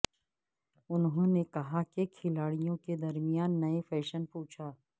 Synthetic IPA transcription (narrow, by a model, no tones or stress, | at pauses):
ʊnɦõnekɐɦakekʰɪlaːɽijõked̪ɐɾmijaːnːɐefɛːʃənpuːt͡ʃʰaː